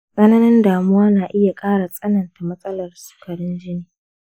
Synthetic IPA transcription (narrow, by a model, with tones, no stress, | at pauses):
kʼɐ˦naː˦nɛ˦ndaː˨mʊ˦waː˦naː˨ʔɪ˦ja˨kʼaː˦ɽa˨sʼɐ˦nɐ˨nta˨mɐ˦sʼɐ˦lɐ˨rsu̥ː˨kʰɐ˨ɽɪ˦nd͡ʒɪ˦niː˨